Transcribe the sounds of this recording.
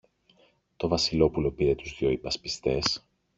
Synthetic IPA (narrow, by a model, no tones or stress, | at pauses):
t̪o̞vɐsilo̞pulo̞piɾe̞t̪uzðjo̞ipɐspist̪e̞s